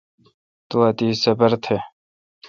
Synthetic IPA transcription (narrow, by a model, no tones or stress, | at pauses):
t̪uɐt̪iːsɐbɐɾt̪ʰe